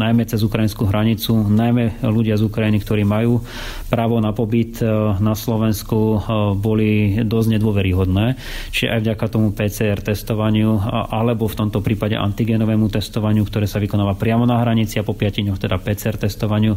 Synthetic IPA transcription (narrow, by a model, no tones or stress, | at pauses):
najmɛt͡sɛzukɾajinskuɦɾaɲit͡sunajmɛluɟɪazukɾajinikt̪ɔɾiːmajuː | pɾaːʋɔnapɔbit̪naslɔʋɛnskubɔlid̪ɔzɟɲɛd̪wɔʋɛɾiɦɔd̪nɛː | t͡ʃiʒɛ̰ʔa̰jvɟakat̪ɔmupɛːt͡sɛɛɾt̪ɛst̪ɔʋaɲɪuʔalɛbɔft̪ɔmt̪ɔpɾiːpaɟɛ̰ʔa̰nt̪iɡɛːnɔʋɛːmut̪ɛst̪ɔʋaɲɪukt̪ɔɾɛːsaʋikɔnaːʋapɾɪamɔnaɦɾaɲit͡siapɔpɪaciɲɔxt̪ɛd̪apɛːt͡sɛɛɾt̪ɛst̪ɔʋaɲɪu